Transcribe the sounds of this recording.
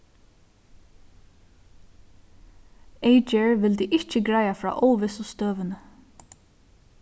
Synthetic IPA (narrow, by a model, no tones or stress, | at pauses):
eɪt͡ʃɛɹʋɪld̪iʔɪht͡ʃɪɡɹajafɹɑ̰ːʔowʋɪsʊst̪œːʋɪnə